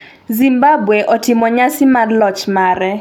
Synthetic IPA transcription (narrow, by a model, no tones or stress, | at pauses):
zimbabweʔɔtɪmɔɲasɪmadlɔt͡ʃmaɾɛ